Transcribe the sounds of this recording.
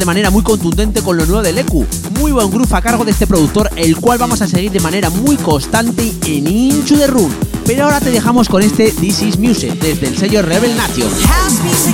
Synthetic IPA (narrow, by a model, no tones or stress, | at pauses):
ðe̞mane̞ɾamujko̞nt̪und̪e̞nt̪e̞ko̞nlo̞nwe̞βðe̞le̞kṵ | mujβwe̞ŋɡɾufakaɾɣ̞o̞ðest̪e̞pɾo̞ðuk̚t̪o̞ɾe̞lkwalβamo̞sase̞ɣ̞iɾðe̞mãne̞ɾamujko̞st̪ant̪e̞enint͡ʃuðe̞runpe̞ɾoaoɾat̪eðe̞xamo̞sko̞ne̞st̪e̞ðisizmjused̪e̞zðe̞lse̞ʝo̞reβe̞lnat̪jo̰